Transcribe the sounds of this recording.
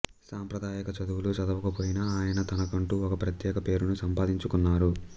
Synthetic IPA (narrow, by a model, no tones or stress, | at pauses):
saːmpɾɐd̪aːjɐkɐt͡ʃɐd̪uwulut͡ʃɐd̪ɐʋɐkɐpoːjinɐaːjɐnɐt̪ɐnɐkɐɳʈuːɔkɐpɾɐt̪jɛːkɐpe̞ːɾunusɐmpaːd̪iɲt͡ʃukunːaːɾu